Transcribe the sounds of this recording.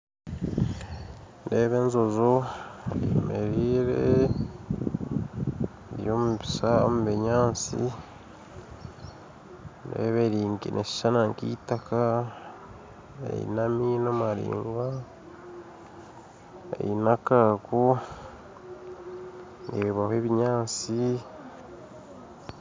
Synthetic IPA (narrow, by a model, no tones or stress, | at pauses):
nde̞ːβe̞nzozo | meɾiːɾe | βjoːmuβisao̰muβeɲaːnt͡sḭ | nḛːβeɾiːŋkinʔesi̥ʃanaŋkitaka | ḛḭnaminomaɾḭːŋɡa | ḛjinakaku | eβahweːβiɲaːt͡si